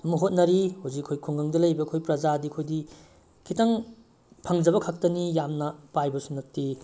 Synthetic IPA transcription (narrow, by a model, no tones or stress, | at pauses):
ɐmɐɦot̚nɐɾihozikɐkʰojkʰoŋɡɐŋdɐlɐjbɐkʰojpɾɐd͡ʒadikʰojdi | kʰitɐŋ | pʰɐŋd͡ʒɐbɐkʰɐk̚tɐnijamnɐpajbɐsunɐk̚ti